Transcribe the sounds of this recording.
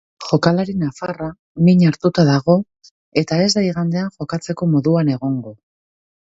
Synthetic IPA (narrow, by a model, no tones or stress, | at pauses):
xo̞kalaɾinafara | miɲaɾt̪ut̪aðaɣo̞ | e̞t̪ae̞zd̪aiɣand̪e̞aŋʝo̞kat͡se̞ko̞mo̞ðuane̞ɣ̞o̞ŋɡo̞